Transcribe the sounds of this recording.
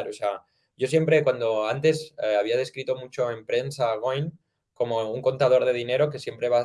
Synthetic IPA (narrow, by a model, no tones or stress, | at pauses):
ɾosea | ʝo̞sjempɾe̞kwand̪o̞ant̪e̞seaβ̞iað̞e̞skɾit̪o̞mut͡ʃo̞e̞mpɾe̞nsaɣ̞ojn | ko̞mo̞uŋko̞nt̪að̞o̞ɾðe̞ð̞ine̞ɾo̞ke̞sje̞mpɾe̞βa